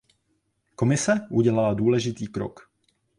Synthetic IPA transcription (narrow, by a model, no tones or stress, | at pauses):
ko̞mɪsɛʔuɟɛlaladuːlɛʒɪt̪iːkɾo̰k